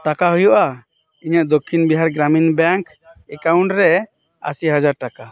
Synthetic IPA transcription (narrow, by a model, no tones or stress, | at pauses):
ʈakaɦujɔʔa | iɲəʔd̪okʰːinbiɦaɾɡɾaminbaŋk | ɛkaw̃ɳʈɾɛ | a̰siɦad͡ʒaɾʈaka